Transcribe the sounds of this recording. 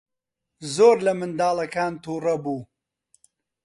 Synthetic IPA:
zoːɾlɐmɨnd̪aːlˠɐkaːnt̪uːrɐbuː

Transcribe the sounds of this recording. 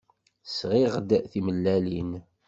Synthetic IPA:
sʁiʁd̪θiməlːælin

